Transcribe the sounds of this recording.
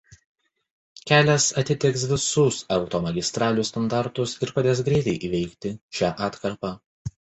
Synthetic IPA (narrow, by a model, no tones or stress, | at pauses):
kʲæːlʲɛsɐt̪ʲɪt̪ʲɛksʋʲɪsʊsɐʊt̪oːmɐɡʲɪst̪ɾɑːlʲuːst̪ɐnd̪ɑˑɾt̪ʊsɪɾpɐd̪ʲeːsɡɾʲɛɪt̪ʲɛɪʔiːʋʲɛɪkt̪ʲɪʃʲæːʔɑːt̪kɐɾpɑ